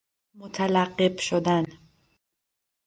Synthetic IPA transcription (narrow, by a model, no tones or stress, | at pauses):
mot̪ʰalæɢːebʃod̪æn